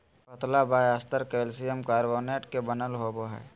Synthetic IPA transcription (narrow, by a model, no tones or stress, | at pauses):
kɐt̪labaːjast̪əɾkeːlsijəmkaːɾboːneːʈkebɐnəlɦoːboɦɛ̰ː